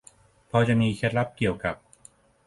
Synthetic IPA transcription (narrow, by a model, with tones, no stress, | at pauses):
pʰɔː˧t͡ɕa˨˩ʔmiː˧kʰeː˧˥˩t̪̚ɾa˦˥p̚ki˨˩əwka˨˩p̚